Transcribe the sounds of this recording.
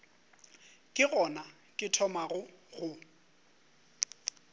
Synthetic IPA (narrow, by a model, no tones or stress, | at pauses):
kʼɪɣɔna | kʼɪtʰɔmaɣʊɣʊ